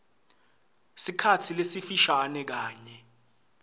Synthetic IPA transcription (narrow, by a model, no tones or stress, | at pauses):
sikʰatʰilesifiʃanɛk̬aːɲɛ